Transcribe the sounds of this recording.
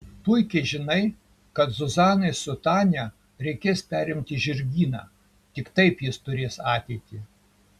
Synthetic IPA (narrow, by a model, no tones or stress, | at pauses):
pʊjkʲɛɪʒʲɪnɐɪ | kɐt̪zʊzɑːnɐɪsʊt̪ɑːnʲɛ | ɾʲɛɪkʲeːspʲæːɾʲɪmʲt̪ʲɪʒʲɪɾʲɡʲiːnɑ̰ː | t̪ʲɪkt̪ɐɪpjɪst̪ʊɾʲeːsɑːt̪ʲɛɪt̪ʲiː